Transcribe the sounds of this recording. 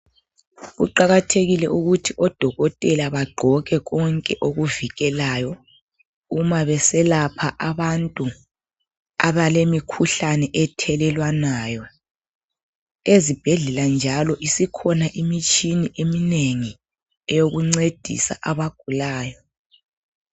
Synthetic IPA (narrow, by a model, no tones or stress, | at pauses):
ɣṵǃaɣatʰeɣilɛʔuɣutʰiʔɔd̥ʱɔɣɔtʼɛlaβaɡ͡ǃʱɔɣɛɣɔŋkʼɛʔoɣuviɣɛlaːjɔ | umaβɛsɛlapʰaʔaβantʼu | aβalemikʰuɬanɛʔɛtʰɛlɛlwanaːjɔ | ezib̥ʱɛɮɛland͡ʒʱalɔʔisikʰɔnaʔimit͡ʃʼiniʔemineŋi | ɛjoɣuŋ͡ǀed̥ʱḭsa̰ʔaβaɡ̥ʱulaːjɔ